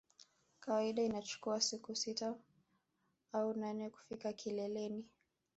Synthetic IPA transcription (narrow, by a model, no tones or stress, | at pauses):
kawaiɗainat͡ʃu̥kuasikusita | aunanɛku̥fikakʰilɛlɛni